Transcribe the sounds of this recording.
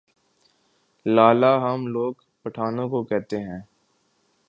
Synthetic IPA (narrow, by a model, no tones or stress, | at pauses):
laːlaɦɐmloːɡ | pɐʈʰaːnõkokɛɦt̪eɦɛ̃ː